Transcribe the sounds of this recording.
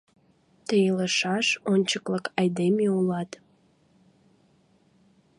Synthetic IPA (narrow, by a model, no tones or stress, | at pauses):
t̪eiləʃɑʃonʲt͡ɕəkləkɑjd̪emeulɑt̪